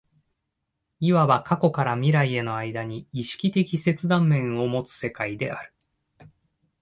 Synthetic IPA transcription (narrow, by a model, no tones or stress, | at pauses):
iβaβakako̞kaɾamʲiɾaie̞no̞aid̪aɲ̟iːɕi̥kʲit̪e̞kʲise̞t͡sɨd̪ãmːẽ̞ɰ̃o̞mo̞t͡sɨ̥se̞kaid̪e̞a̰ɾɯ̟̥